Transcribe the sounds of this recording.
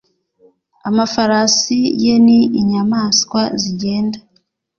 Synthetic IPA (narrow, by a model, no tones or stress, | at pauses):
amafaɾasijeniiɲamaːskwaziɟe̞ːnda